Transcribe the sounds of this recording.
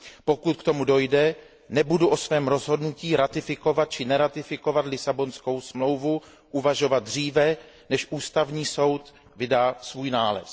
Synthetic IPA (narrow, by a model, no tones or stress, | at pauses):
pokut̪̚kt̪o̞mudo̞jdɛ | nɛbuduʔosvɛːmɾo̞zɦo̞dnuciːɾat̪ɪfɪko̞vat̪̚t͡ʃɪnɛɾat̪ɪfɪko̞vat̪lɪsabo̞nsko̞wsmlo̞wvu | ʔuvaʒo̞vad̪̚dr̝iːvɛ | nɛʃʔuːst̪avɲiːso̞wt̪ | vɪdaːsvuːjnaːlɛ̰s